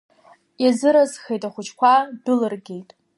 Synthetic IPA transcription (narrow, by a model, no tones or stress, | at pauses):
jazɨɾazχejtʼaχʷʊt͡ʃʰkʷʰadɨlɨrɡʲejtʼ